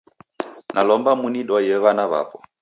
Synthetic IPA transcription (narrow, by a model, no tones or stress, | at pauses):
nalɔmbamuniɗɔjɛβanaβa̰pɔ